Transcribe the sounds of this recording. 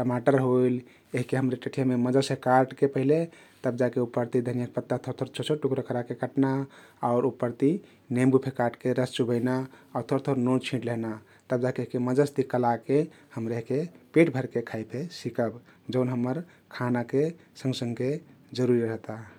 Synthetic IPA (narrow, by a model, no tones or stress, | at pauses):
ʈəmaʈəɾɦoil | eɦikeɦəmɾeʈəʈʰijameməd͡ʒasekaɾʈkepəɦile | t̪əb̚d͡ʒakeupəɾt̪id̪ʱənijək̚pət̪ːat̪ʰoɾt̪ʰoɾt͡ʃʰosʰoʈukɾəkəɾakekəʈnaaʊɾupəɾt̪i | nembupʰekaɾʈkeɾəst͡ʃubəɪnaat̪ʰoɾt̪ʰoɾnont͡ʃʰĩʈləɦna | t̪əb̚d͡ʒakeeɦikeməd͡ʒəst̪ikəlake | həmɾeeɦikepeʈbʱəɾkekʰaip̪ʰesikəb | d͡ʒəʊnɦəmːəɾ | kʰanake | sə̃ŋɡsə̃ŋɡked͡ʒəɾuɾiɾəɦt̪a